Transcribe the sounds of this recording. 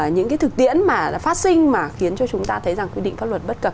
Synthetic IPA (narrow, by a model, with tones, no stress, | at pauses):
ɲɨ̰˧˥ŋkaː˨˦t̪ɨ˨˩k̚t̪ḭ˧˨ənmaː˨˩˨faː˦˥t̚sï˧ŋ̟maː˨˩xi˨˦ənt͡ɕɔ˧t͡ɕʊ˨˦ŋ͡mt̪aː˧t̪ʰə˨˦jza˨˩ŋkwi˧ɗḭ˧˨ŋ̟faː˦˥lwə˨˩t̚ɓə˦˥t̚kə˨˩p̚